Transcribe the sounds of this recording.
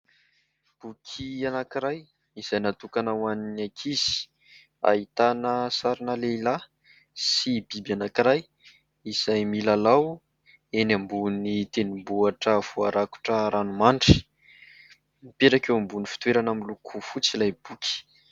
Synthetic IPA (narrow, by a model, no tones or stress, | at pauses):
b̥ukʰianakiɾaj | iz̥ajnat̪ukanawaninakʰiz̥i̥ | a̰it̪anəsaɾinəleila | sibibanakiɾaj | iz̥ajmilalaw | enambunit̪enimbuaʈ͡ʂəv̥uaɾaku̥ʈ͡ʂəɾanumaɳɖ͡ʐi̥ | mipeɾakewambunifi̥t̪weɾanamilukʰufut͡silajb̥ukʰʲi̥